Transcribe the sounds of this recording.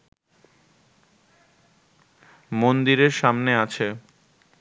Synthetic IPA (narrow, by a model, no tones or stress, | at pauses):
mond̪iɾeɾʃamneat͡ɕʰe